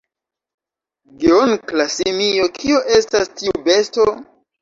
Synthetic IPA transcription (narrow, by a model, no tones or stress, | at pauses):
ɡeonklasimiokʰioʔe̞stastiube̞sto